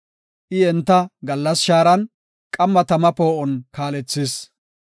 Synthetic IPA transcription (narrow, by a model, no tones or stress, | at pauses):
ʔɪɛnt̪ːɐɡɐlːɐsʃaːɾɐn | kʼɐmːɐt̪ɐmɐpoːʔɔnkaːlɛt͡sːɪs